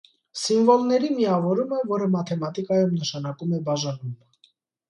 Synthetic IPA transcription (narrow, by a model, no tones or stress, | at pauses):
siɱvɔlnɛɾimiɑvɔɾuməvɔɾəmɑt̪ʰɛmɑt̪ikɑjumnəʃɑnɑkumɛbɑʒɑnum